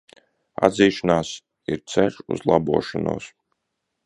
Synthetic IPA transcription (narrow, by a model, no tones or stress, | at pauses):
a̰d̪ziːʃɔnaːs | iɾt̪sɛʃṵzlˠabuɔʃɔnṵːs